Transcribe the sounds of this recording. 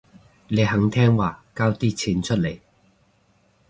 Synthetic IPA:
nle˨˧jɦɐ˨˧˥ŋt̪ʰɛː˥ŋwaː˨˩kaː˥wt̪iː˥t͡sʰiː˨˥nt͡ʃʰɵ˥t̚le˨˩j

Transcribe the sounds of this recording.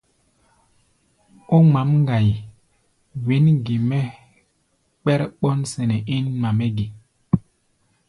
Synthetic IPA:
o˦ma˨˦mŋ˦ɡa˨j | wi˨˦nɡi˨mɛ˦ | k͡pɛ˦ɾɓɔ˦nsɛ˨nɛ˨i˦nma˨mɛ˦ɡi˨

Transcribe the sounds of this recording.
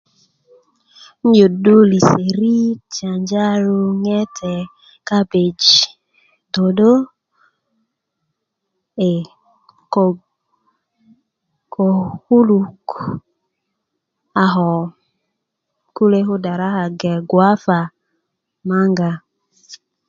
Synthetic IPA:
n̩˦d͡ʒo˨do˦li˨se˨ɾi˦t͡ʃa˨ɲd͡ʒa˦ɾo˧ŋɛ˦tʰɛ˨ | ka˦be˨d͡ʒi˨ | do˨do˦ | e˨ | ko˨ | kʰo˨hu˦lu˨k | a˨ɦɔ˨ | ku˦le˦ɦu˦da˨ɾa˦ɦa˨ɡɛ˨ɡwa˦fa˨ | ma˦ŋɡa˧

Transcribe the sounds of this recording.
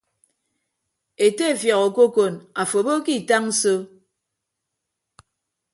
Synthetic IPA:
e˨te˦˨fja˨ɣo˨ko˦ko˨na˨fo˨bo˦ki˦˨ta˦ŋ̩˦so˦

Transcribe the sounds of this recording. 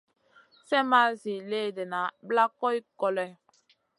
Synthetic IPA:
sɛ˦ma˦zi˨le˦˨de˨na˨bla˦kɔ˦i˦kɔ˦lɛ˦

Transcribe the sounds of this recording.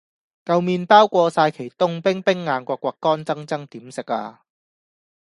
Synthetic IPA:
kɐ˨˧wmiː˧npaː˥wkʷɔː˧saː˧jkʰe˨˩jt̪ʊ˥ŋpɪ˥ŋpɪ˥ŋːaː˧nkʷɔː˧kʷːɔː˧kːɔː˥nt͡sɐ˥ŋt͡sɐ˥ŋt̪iː˨˥msɪ˨k̚a̰ː˧

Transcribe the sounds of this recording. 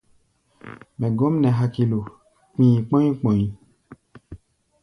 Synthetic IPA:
mɛ̃˨ɡɔ˨˦m˦nɛ̃˨ɦa˨ki˨lo˨ | k͡pĩ˦ĩ˨k͡pɔ̃˦ĩ˦k͡pɔ̃˨ɲĩ˨

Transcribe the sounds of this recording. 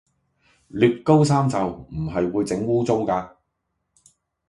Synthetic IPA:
lyː˨˧p̚kːo˥ws̬aː˥mt͡sɐ˨wm̩˨˩ɦɐ˨jwuː˨˧jt͡sɪ˨˥ŋwuː˥t͡sʊ˥ŋkaː˧

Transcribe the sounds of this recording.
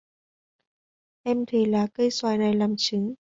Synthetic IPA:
ʔɛ˧mt̪ʰe˨˦laː˨˩kə˧jswaː˨˩jna˨˩jlaː˨˩mt͡ɕɨ˨˦ŋ

